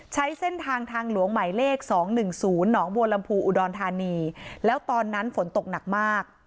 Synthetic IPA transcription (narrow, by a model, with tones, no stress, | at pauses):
t͡ɕʰa˦˥jse˥˩nt̪ʰaː˧ŋt̪ʰaː˧ŋlu˩˦əŋma˩˦jleː˥˩k̚sɔː˩˦ŋnɯ˨˩ŋsuː˩˦nːɔː˩˦ŋboː˧la˧mpʰuː˧ʔu˨˩dɔː˧nt̪ʰaː˧niː˧lɛː˦˥wt̪ɔː˧nːa˦˥nfo˩˦nt̪o˨˩k̚na˨˩k̚maː˥˩k̚